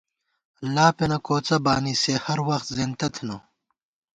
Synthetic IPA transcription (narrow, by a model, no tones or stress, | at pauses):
laːpenɐkoːt͡sɐbaːniːsehɐɾwɐxt̪zent̪ɐt̪ʰino